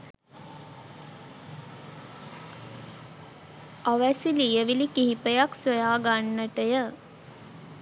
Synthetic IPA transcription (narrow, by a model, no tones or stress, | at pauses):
aʋæsilijəʋilikiɦipəjaksojaːɡanːəʈəjə